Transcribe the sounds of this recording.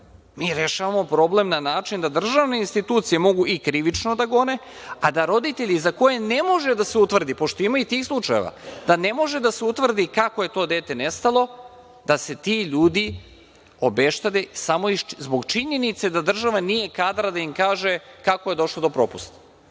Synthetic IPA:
miːɾe̞ʃaʋamo̞pɾo̞ble̞mnanaːt͡ʃind̪ad̪r̩ʒaʋneinst̪it̪uːt̪sije̞mo̞ɡuʔikɾiʋit͡ʃno̞d̪aɡo̞ne̞ | ad̪aɾo̞d̪it̪e̞ʎizako̞jene̞mo̞ʒe̞d̪aseut̪ʋr̩d̪ipo̞ʃt̪o̞imait̪iːxslˠut͡ʃaje̞̰ʋa̰d̪̥ane̞mo̞ʒe̞d̪aseut̪ʋr̩d̪ikako̞je̞t̪o̞ːd̪e̞ːt̪e̞ne̞st̪alˠo | d̪̥ase̞t̪iʎuːd̪i | o̞be̞ʃt̪ad̪esamo̞izbo̞ɡt͡ʃiɲe̞nit̪se̞d̪ad̪r̩ʒaʋanije̞kaːd̪ɾad̪aimkaːʒe̞kakoje̞d̪o̞ʃlod̪o̞pɾo̞pust̪ḁ

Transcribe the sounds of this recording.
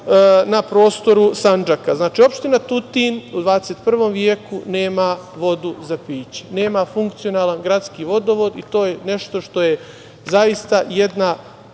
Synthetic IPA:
napɾo̞ːst̪o̞ɾusand͡ʒakaznaːt͡ʃiːo̞pʃt̪inat̪ut̪inud̪ʋaːd̪eset̪pr̩ʋo̞mʋjekune̞ːmaʋo̞d̪uzapiːt͡ɕe̥ne̞ːmafuŋkt̪sio̞naːlanɡɾat̪skiʋo̞d̪o̞ʋo̞d̪it̪o̞ːjene̞ʃt̪o̞ʃt̪o̞je | zaist̪ajed̪na

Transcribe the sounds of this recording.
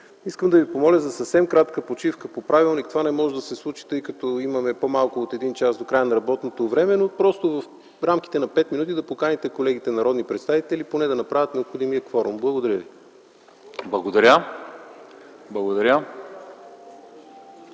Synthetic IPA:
iskəmd̪ɐvipomɔlʲəzɐsɐfsɛmkɾat̪kəpot͡ʃifkəpopɾavilˠnikt̪ovanɛmɔʒɛd̪ɐsɛslˠut͡ʃi̥t̪ɤjkət̪ɔimɐmɛpomalˠkʊːt̪ɛd̪int͡ʃasd̪okɾajənɐɾɐbɔt̪not̪ovɾɛmɛnopɾɔst̪ovəf | ɾamk̟i̥t̪ɛnɐpɛt̪minut̪id̪ɐpokanit̪ɛkolɛɡ̟it̪ɛnɐɾɔd̪nipɾɛt̪st̪avit̪ɛlʲiponɛd̪ɐnɐpɾavʲət̪nɛopxod̪imiəkfɔɾumblˠɐɡod̪ɐɾʲjəvi | blˠɐɡod̪ɐɾʲə | blˠɐɡod̪ɐɾʲjə

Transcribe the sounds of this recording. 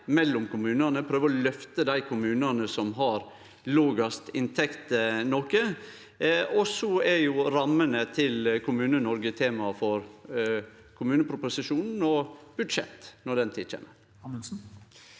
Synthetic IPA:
mɛlːɔmkʊmʉːnənəpʰɾøːʋəɾɔlœft̪əd̪æɪkʰʊmʉːnənəsɔmɦɑɾ | loːɡɑst̪ɪnt̪ʰɛkt̪nɔkə | ɔsɔɛɾjʊɾɑmːənət̪ʰɪlkʰʊmʉːnənɔɾɡət̪ʰeːmɑfɔɾ | kʰʊmʉːnəpʰɾʊpʊsɪʂuːnn̩ɔb̥ʉd̪ʂɛ̰t̪ːnɔd̪ɛnt̪ʰiːd̪t͡ʃʰḛːməɾ | s̩

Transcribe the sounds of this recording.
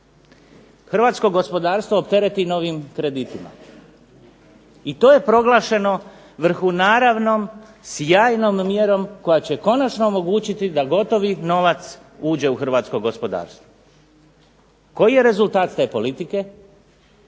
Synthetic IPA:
xr̩ʋaːt̪sko̞ɡo̞spo̞d̪aːɾst̪ʋo̞ːpt̪e̞ɾe̞t̪ino̞ʋimkɾe̞d̪it̪ima̰ | it̪o̞je̞pɾo̞ɡlˠaːʃe̞no̞ | ʋr̩xunaːɾaʋno̞m | sjaːjno̞mːjeɾo̞mko̞jat͡ɕe̞ko̞nat͡ʃno̞ːmo̞ɡuːt͡ɕit̪id̪aɡo̞t̪o̞ʋino̞ʋat̪s | uːd͡ʑe̞uxrʋaːt̪sko̞ɡo̞spo̞d̪a̰ːɾst̪ʋo | ko̞jije̞ɾe̞zulˠt̪aːt̪t̪e̞ːpo̞lit̪ike̞

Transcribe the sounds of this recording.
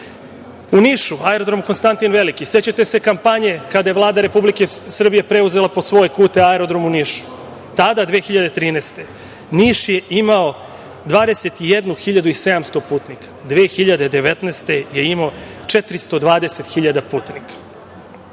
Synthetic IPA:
uniʃuaeɾo̞d̪ɾo̞muko̞nst̪ant̪inʋe̞likise̞t͡ɕat̪e̞se̞kampaɲe̞kad̪ajeʋvlˠaːd̪aɾe̞publikesr̩bije̞pɾe̞uze̞laposʋo̞jekuːt̪eaeɾo̞d̪ɾo̞muniːʃu̥ | t̪ad̪ad̪ʋeːxiʎad̪e̞t̪ɾiːneːst̪e̞ | niːʃje̞imao̞ | d̪ʋaːd̪e̞set̪ijed̪nuxiʎad̪uise̞d̪amst̪o̞puːt̪nikʰḁd̪ʋeːxiʎad̪e̞d̪e̞ʋet̪nest̪e̞je̞imo | t͡ʂe̞t̪ɾist̪o̞d̪ʋaːd̪e̞set̪xiʎad̪apuːt̪nikḁ

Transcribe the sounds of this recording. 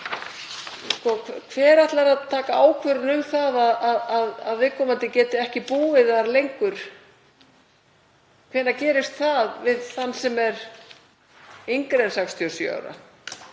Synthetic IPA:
skɔkʰkʰvɛːɾaht̪laɾaðt̪ʰaːkaaːwkʰvɛɾʏnʏmθaðaðaðaðaðvɪkʰɔːmant̪ɪcɛːt̪ɪɛhcɪpuːvɪðaɾlejŋkʏɾ̥ | kʰvɛːnacɛːɾɪst̪θaðvɪðθanːsɛmɛɾ | iŋkɾensakst̪ʰjɔsʏ̰a̰wɾa̰

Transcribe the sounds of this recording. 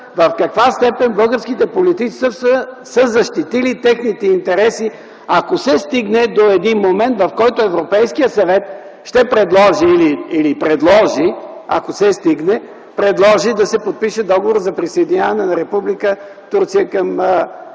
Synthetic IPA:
vɐfkɐkvast̪ɛpɛnbɤlˠɡəɾskit̪ɛpolit̪it͡ʃi̥səsə | səzɐʃt̪it̪ilit̪ɛxnit̪ɛint̪ɛɾɛsi | akosɛst̪iɡnɛd̪oɛd̪inmomɛnt̪vɐfkɔjt̪oɛvɾopɛjskijəsɐvɛt̪̚ | ʃt̪ɛpɾɛd̪lˠɔʒiːliːlipɾɛd̪lˠɔʒi | a̰kosɛst̪iɡnɛ | pɾɛd̪lˠɔʒid̪ɐsɛpot̪̚piʃɛd̪ɔɡovoɾzɐpɾisɐjd̪inʲjavɐnɛnɐɾɛpublikə | t̪uɾt̪sijəkɐm

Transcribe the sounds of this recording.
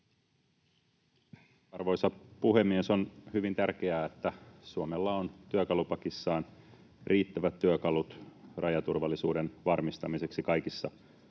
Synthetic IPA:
ɑrʋo̞jsɑpuɦe̞mːieso̞nhyʋint̪ærk̟e̞æet̪ːæsuomelːɑont̪yøkɑlupɑkisːɑːn | rʔiːt̪ːæʋæt̪ːyøkɑlut̪rʔɑjɑt̪urʋɑlːisṵːde̞nʋɑrmist̪ɑmise̞ksikɑjkisːɑ

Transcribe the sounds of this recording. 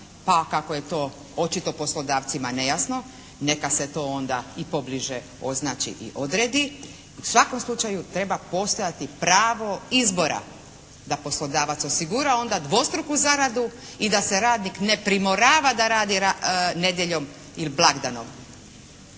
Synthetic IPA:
pakakoje̞t̪o̞ | ot͡ʃit̪o̞po̞slˠo̞d̪aːʋt̪simane̞jasno̞ | ne̞kase̞t̪o̞ːo̞nd̪a̰ipo̞bliʒe | o̞̰znaːt͡ʃḭʔḭʔo̞d̪ɾe̞ːd̪i | usʋako̞mslˠut͡ʃajut̪ɾe̞bapo̞st̪o̞jat̪ipɾaːʋo̞izbo̞ɾa̰ | d̪apo̞slˠo̞d̪aːʋat̪so̞siɡuɾao̞nd̪ad̪ʋo̞st̪ɾukuzaɾad̪u | id̪ase̞ɾaːd̪nikne̞pɾimoɾaːʋad̪aɾaːd̪iɾane̞d̪je̞ʎo̞m | iliblˠaɡd̪ano̞̰m

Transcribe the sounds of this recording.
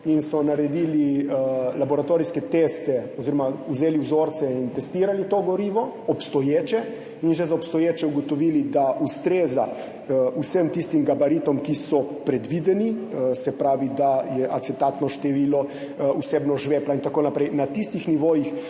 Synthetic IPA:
insɔnaɾɛd̪iːli | labɔɾat̪oːɾiskɛt̪eːst̪ɛɔziɾɔmauzeːliwzoːɾt̪sɛint̪ɛst̪iːɾalit̪oːɡɔɾiːʋɔ | ɔpst̪ɔjeːt͡ʃɛ | inʒɛzaɔpst̪ɔjeːt͡ʃɛuɡɔt̪ɔʋiːlid̪aʔust̪ɾeːza | usəmt̪ist̪imɡabaɾit̪ɔmkisɔpɾɛd̪ʋid̪ɛnisɛpɾaːʋid̪ajɛʔat̪sɛt̪at̪nɔʃt̪ɛʋiːlɔ | useːbnɔʒʋeːplaint̪akoːnapɾɛjnat̪ist̪ixniʋoːjix

